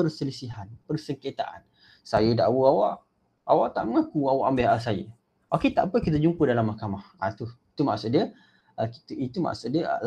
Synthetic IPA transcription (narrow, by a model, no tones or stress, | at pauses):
ərsəlisiɦanpərsəŋket̪a̰ʔa̰n | sajəda̰ʔwuawaʔ | awaʔt̪aʔŋãkuawaʔambeɦasajə̰ | oket̪a̰ʔpəkit̪̬əd͡ʒumpədalamːahkamaha̰t̪uit̪umaʔksut̪̚diə | əki̥t̪it̪uma̰ksuʔ̪̚də̰l